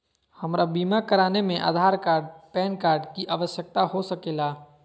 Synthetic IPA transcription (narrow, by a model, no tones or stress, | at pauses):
həmɾabiːmakəɾaːnemẽʔa̰ːd̪ʱaːɾkaːɾɖpɛːnkaːɾɖkiʔaːʋəsjək̚t̪aɦosəkeːlaː